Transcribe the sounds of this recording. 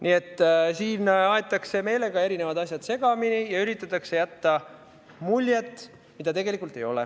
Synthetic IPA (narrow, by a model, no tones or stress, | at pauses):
nʔie̞t̪ːˑsiːnɑet̪ːˑɑkse̞me̞jle̞ɡɑe̞ɾine̞vɑd̪ɑsjɑd̪̥se̞ɡ̥ɑminijɑyɾit̪ːˑɑt̪ːˑɑkse̞jæt̪ːɑ | mulʲjet̪ːˑ | mid̪̥ɑt̪e̞ɡe̞likult̪ːˑe̞jo̞̰lḛ